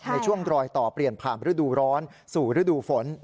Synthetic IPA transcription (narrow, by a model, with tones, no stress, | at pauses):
na˧jt͡ɕʰu˥˩əŋɾɔː˧jt̪ɔː˨˩pɾi˨˩ənpʰaː˨˩mɾɯ˦˥duː˧ɾɔː˦˥n | suː˨˩ɾɯ˦˥duː˧fo˩˦n